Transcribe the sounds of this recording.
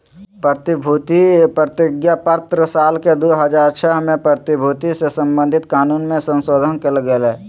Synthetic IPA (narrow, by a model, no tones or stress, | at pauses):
pt̪bʱut̪ipɾət̪ɪɡjapət̪ɾəsaːlked̪oːɦəd͡ʒaːɾt͡ʃʰɛɦmẽpɾət̪ibʱuːt̪isesə̃mbə̃nd̪ʱɪt̪kaːnuːnmẽsə̃nsoːd̪ʱənkeləɡəlɦɛː